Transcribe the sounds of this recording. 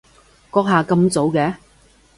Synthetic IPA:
kɔː˧˥k̚ɦaː˨kɐ˧mt͡so˨˥wkɛː˨˧

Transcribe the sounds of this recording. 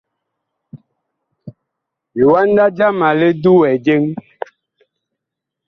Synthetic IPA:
ji˨wa˦n˦da˦d͡ʒa˦ma˨le˦du˦wɛ˨d͡ʒe˦ŋ

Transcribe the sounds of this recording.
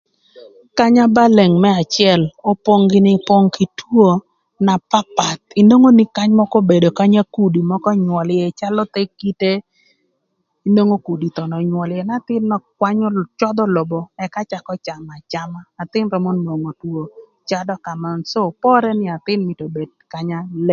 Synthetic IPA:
ka˦ɲa˦ba˦le˨ŋmɛ˦a˨t͡ʃɪɛ˦˨lo˦po˦ŋɡɪ˦nɪ˦po˦ŋki˨twwo˦ | na˨pa˦pa˨t̪̚i˦no˦ŋo˦ni˦ka˦ɲmɔ˦kɔ˦be˨do˨ka˦ɲa˦ku˨di˨mɔ˦kɔ˦ɲwɔ˨ljɛ˨t͡ʃa˦lɔ˦t̪e˦kːi˦te˦ | i˦no˦ŋo˦ku˨di˨t̪ɔ˨nɔ˨ɲwɔ˨ljɛ˨na˦t̪ɪ˦nːɔ˨kwa˦ɲɔ˦t͡ʃɔ˦d̪ɔ˦lɔ˨bɔ˨ɛ˨ka˦t͡ʃa˨kɔ˦t͡ʃa˨ma˨t͡ʃa˦maː˦˨t̪ɪ˦nɾɔ˨mɔ˦nːo˨ŋo˨two˨ | t͡ʃa˦dɔ˦ka˨ma˨nso˦˨pɔ˦ɾɛ˦nɪ˦a˨t̪ɪ˦nmi˨to˨be˨d̚ka˨ɲa˦le˦ŋ

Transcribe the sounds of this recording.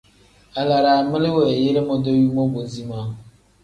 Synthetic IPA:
a˨la˨ɾa˨mɪ˦lɪ˦wɛ˨je˦ɾe˦mɔ˦do˦ju˦mo˦bo˨zi˦ma˨˦˨

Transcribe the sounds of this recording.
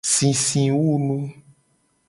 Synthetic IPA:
sĩ˨sĩ˨wu˦nũ˦

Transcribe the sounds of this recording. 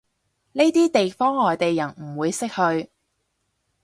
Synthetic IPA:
ne˥jt̪iː˥t̪e˨jfɔː˥ŋlɔː˨jt̪e˨jːɐ˨˩nm̩˨˩wuː˨˧jsɪ˥k̚hɵ˧ɥ

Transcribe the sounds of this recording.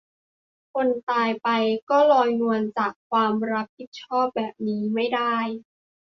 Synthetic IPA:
kʰo˧nt̪aː˧jpa˧jkɔː˥˩lɔː˧jnu˧ənt͡ɕaː˨˩kʰːwaː˧mɾa˦˥p̚pi˨˩t̪̚t͡ɕʰɔː˥˩p̚bɛː˨˩p̚niː˦˥ma˥˩jdaː˥˩j

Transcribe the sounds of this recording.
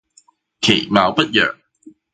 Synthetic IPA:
kʰe˨˩maː˨˥wpɐ˦˥t̚jœ̰ː˨ŋ

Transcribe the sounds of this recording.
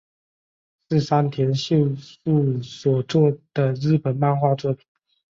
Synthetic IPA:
ʂɻ̩˥˩sa˥nt̪ʰjɛ˧˥nɕjo˥˧ʊu˥˩swɔ˨˩t͡swɔ˥˩d̪̥ə˩ɻɻ̩˥˩pə˨˩nma˥˧nxwa˥˧t͡swɔ˥˩pʰi̥˨˩˦n

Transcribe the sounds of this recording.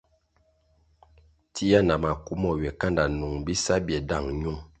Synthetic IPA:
tʰi˦ja˦na˨ma˨ku˦mɔ˦˨ɥɛ˨ka˦nda˨nu˨ŋbi˦sa˦bjɛ˨da˦˨ŋɲu˦ŋ

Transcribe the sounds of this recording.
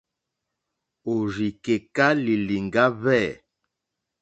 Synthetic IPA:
o˨ɾi˨ke˨ka˦li˨li˨ŋɡa˦βɛː˦˨

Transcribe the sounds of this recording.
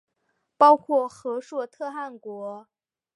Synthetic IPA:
pɑ˥ʊkʰwɔ˥˩xɤ˧˥ʂwɔ˥˧t̪ʰɤ˥˧xa˥˩nkwɔ˧˥

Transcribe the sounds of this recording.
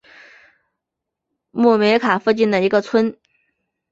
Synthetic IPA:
mu˥˩me˧˥ɪkʰa˨˩fu˥˧t͡ɕi˥˩nd̪ə˩i˧˥ɡə˧t͡sʰwə˥n

